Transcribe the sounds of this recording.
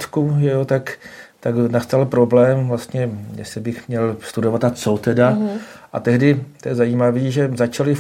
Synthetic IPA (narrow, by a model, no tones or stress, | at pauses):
t̪kuʒɛjot̪akt̪aɡnast̪alpɾo̞blɛːmvlast̪ɲɛjɛ̰sɪbɪxmɲɛlst̪udo̞vat̪at͡sot̪ɛdaʔat̪ɛɦdɪt̪ojɛzajiːmaviːʒɛzat͡ʃalɪ